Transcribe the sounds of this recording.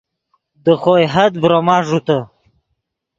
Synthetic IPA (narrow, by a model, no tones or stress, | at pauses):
d̪əχojɦɐd̪̚bɾomɑːʐut̪ə